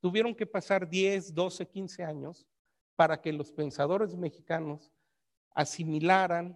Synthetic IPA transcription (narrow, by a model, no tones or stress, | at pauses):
t̪uβje̞ɾo̞ŋke̞pasaɾðje̞zd̪o̞se̞kinse̞aɲo̞s | paɾake̞lo̞spe̞nsað̞o̞ɾe̞zme̞xikano̞s | a̰similaɾan